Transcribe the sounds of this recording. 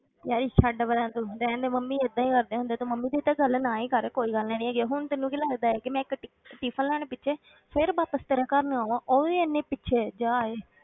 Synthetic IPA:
jaːɾiːʃaːɖaːbəɾɛ̃ːnt̪oːɾɛ̃ːnd̪eːməmːĩːɪd̪ãːiːkəɾd̪eːɦʊ̃nd̪eːt̪õːməmːiːd̪eːt̪aːɡəlnaːiːkəɾɛːkoːiːɡəlnãːnĩːɡaɦʊɳt̪ɪnːũːkiləɡd̪aːɛːkɪmɛ̃ːɪkʈ | ʈiːpʰəllɛːɽ̃eːpɪːʃʰeː | pʰɪɾbaːpəst̪əɾaːkəɾnaːãːʔoːeənːẽːpɪtːʃʰeːd͡ʒaːeː

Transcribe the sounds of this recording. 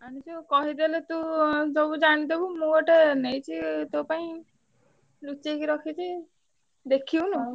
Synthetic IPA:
aɽ̃it͡ʃukɔɦid̪elet̪ũd͡ʒobud͡ʒaɽ̃id̪ibumũɡɔʈenejt͡ʃʰit̪owpaĩ | lut͡ʃekiɾɔkʰit͡ʃʰi | d̪ekʰiwnɔ

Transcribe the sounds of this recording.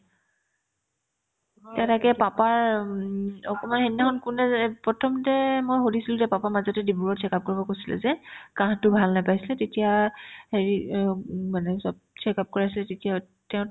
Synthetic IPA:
tatakɛpapaɹ | ɔkɔmanɦennaxʰɔnkunɛpɹɔtʰɔmtɛmojxodisilʊ̃tɛpapamazɔtɛdibuɹɔtt͡ʃʰɛkap̚koɹibɔkojsilɛ̰zɛkãɦtʊbʱalnajpajsilɛtetijaheɹi | manɛsɔb̚t͡ʃʰɛkap̚kɔɹasilɛtetija | tɛʊ̃

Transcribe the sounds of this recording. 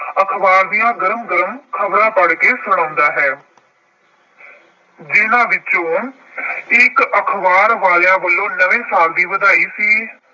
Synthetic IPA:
əkʰbaːɾd̪ijãːɡəɾmɡəɾəmkʰəbɾãːpəɽkeːsʊɽ̃ãːnd̪aːɦɛː | d͡ʒɪnãːʋɪt͡ʃõː | ɪkəkʰʋaːɾʋaːljãːʋəlːõːnəʋẽːsaːld̪iːʋəd̪aːiːsiː

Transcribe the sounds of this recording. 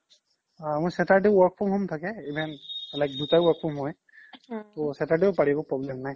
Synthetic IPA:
mɔjsɛtaɹdɛʊwɔɹk̚pʰɔmɦɔmt̪ʰakɛibʱɛnlajk̚dutajwɔɹk̚pʰɔmɦɔj | tɔsɛtadɛʊpaɹibɔpɹɔblɛmnaj

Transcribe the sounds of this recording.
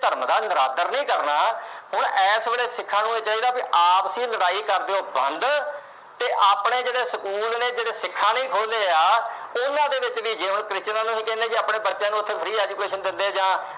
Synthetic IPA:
t̪əɾmd̪aːnəɾaːt̪əɾnəĩːkəɾnaːɦʊɳɛːsʋeːɽeːsɪkʰːãːnũːeːt͡ʃaːiːd̪aːbiʔaːpəsĩːləɽaːiːkəɾd̪eːõːbə̰̃nd̪ | t̪eːʔaːpɳeːd͡ʒeːɽeːsəkuːlneːd͡ʒeːɽeːsɪkʰːaːnəĩːkʰoːleːaː | ʊnãːd̪eːʋɪt͡ʃʋiːd͡ʒeːɦʊɳkɾɪst͡ʃnãːnũsĩːkɛ̃ːnẽːd͡ʒiːaːpɳeːpətːãːnũːʊt̪ʰːeːpʰəɾiːɛːd͡ʒuːkeːʃənd̪ɪnd̪eːd͡ʒãː

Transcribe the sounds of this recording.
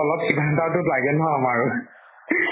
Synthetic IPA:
ɔlɔpsibʱantaɹtʊtlaɡɛnɦɔamaɹʊ

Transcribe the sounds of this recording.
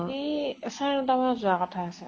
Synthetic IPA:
isanutamazʊakɔtʰaːsɛ

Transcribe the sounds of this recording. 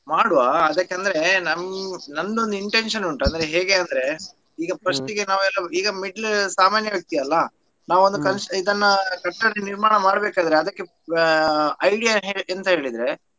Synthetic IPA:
maːɽuʋaːɐd̪ɐkːeɐnd̪ɐɾe̞nɐmnɐndond̪uiɳʈenʂɐnuɳʈɐnd̪ɐɾeɦeːɡeɐnd̪ɐɾe̞ | iːɡɐpɾɐʂt̪iɡenaːʋuɛlːɐiːɡɐmiɖlsaːmaːnjɐʋɐɡ̚t̪ijɐlːɐ | naːʋuond̪ukɐnʂid̪ɐnːɐkɐʈːɐɽiniɾmaːɳɐmaːɽbeːkaːd̪ɐɾeɐd̪ɐkːe̞ | ɐjɽijaɦeent̪ɐɦe̞ːɭid̪ɾe̞

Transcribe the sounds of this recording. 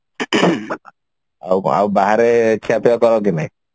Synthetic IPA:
a̰wa̰wbaɦaɾekʰiapeɔkɔɾɔk̬inaj

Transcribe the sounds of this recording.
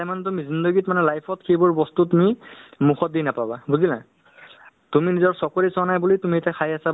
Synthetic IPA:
ajmanɛtumizindɔɡitmanɛlajpʰɔtkʰejbɔɹbɔstutumimuxʰɔt̚dinapababuzila̰ | tuminizɔɹsɔkoɹisɔanajbulitumietakʰajasa

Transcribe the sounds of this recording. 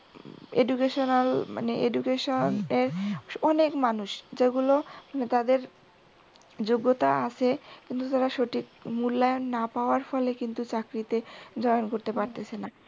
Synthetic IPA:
ḛɖukeʃonalma̰neʔeɖukeʃoneɾɔnekmanuʃd͡ʑeɡulomanet̪ad̪eɾ | d͡ʑoɡːot̪aat͡ɕʰekint̪ut̪aɾaʃoʈʰikmulːajonːapaoaɾfɔlekint̪ut͡ɕakɾit̪ed͡ʑɔjonkoɾt̪epaɾt̪et͡ɕʰena

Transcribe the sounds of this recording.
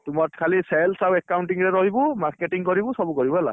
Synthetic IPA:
tumɔtkʰalisɛlsawɛkawnʈiŋɹɛɹɔɦibʊmaɹketiŋkɔɹibʊ̃sɔbukɔɹibɔɛla̰

